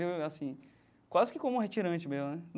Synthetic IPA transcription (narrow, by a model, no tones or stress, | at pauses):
easĩ | kwazɪkɪkõmʊũɦet͡ʃiɾɐ̃t͡ʃɪmezʊnɛn